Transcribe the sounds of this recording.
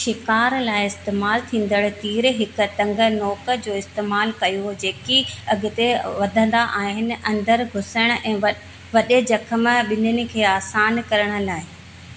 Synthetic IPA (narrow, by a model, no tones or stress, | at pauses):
ʃɪkaːɾlaːɪɪst̪eːmaːlt̪ʰĩːn̆d̪əɽ̆t̪iːɾɦɪkʊ̆t̪ɐ̃ŋɡʱə̆nɔːkə̆d͡ʑoːɪst̪eːmaːlkɐjod͡ʑeːkiɐɡɪ̆t̪eʋɐd̪ʱə̃nd̪aʔaːɦɪnɪ̆ʔɐ̃nd̪əɾɡʱʊsəɽ̃ʊʔɛ̃ː | ʋɐɗed͡ʑɐkʰəm̆ɓɪnənɪ̆kʰeːaːsaːnkɐɾəɽ̃ʊ̆laːɪ